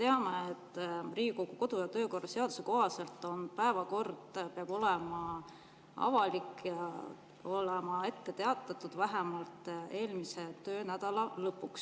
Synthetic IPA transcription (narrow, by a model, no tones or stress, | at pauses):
t̪eɑmeet̪ːriːɡikoɡuko̞d̪̥ujɑt̪ø̞ːko̞rːɑse̞ɑd̪̥u̥se̞koɦɑse̞lt̪ːˑo̞npæevɑko̞rd̪̥peɑb̥o̞lemɑ | ɑ̰vɑlikːjɑ | o̞lemɑe̞t̪ːe̞t̪e̞ɑt̪ːˑɑt̪ːˑud̪̥væɦæmɑlt̪e̞ːlmise̞t̪øːnæd̪̥ɑlɑlɤpːˑuks